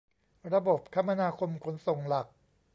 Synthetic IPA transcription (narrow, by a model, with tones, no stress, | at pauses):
ɾa˧bo˨˩p̚kʰa˦˥mːa˧naː˧kʰo˧mkʰo˩˦nso˨˩ŋla˨˩k̚